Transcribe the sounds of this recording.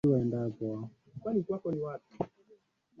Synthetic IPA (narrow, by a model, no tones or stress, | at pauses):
iwɛndabɔa | kwanitakɔniwatḁ